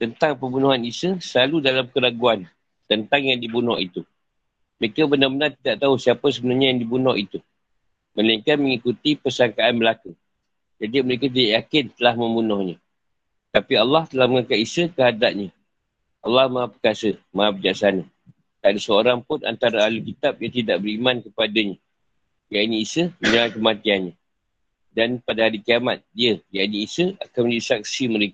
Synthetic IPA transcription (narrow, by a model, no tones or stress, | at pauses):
t̪ənt̪aŋpəmbunuɦanisəsəlaludalamkəlaɡuan | t̪ənt̪aŋjaŋdibunɔhḭt̪u | məɾekabənarbənart̪idaʔt̪ausiapas̬əbənarɲajaŋdibunɔhit̪u | məlaiŋkanməŋikut̪ipərsaŋkaanməlaku | d͡ʒadiməɾekat̪̬idaʔjakɪnt̪əlahmə̃mbunɔhɲã | t̪apialːɑht̪əlahməŋakaʔisəkəɦadaʔ̚ɲə | ʔɑlːɑhmaapəkasəmaabəd͡ʒaksana | t̪adasəoɾaŋpʊna̰nt̪aɾaaləlkit̪ap̚jat̪idaʔbəɾimankəpadaɲa | jainĩːsəhməɲawajkəmat̪ianɲa | danpadaɦaɾikiamat̪̚diəjaʔiniːsəa̰kanməɲd͡ʒadisak̚siməɾeka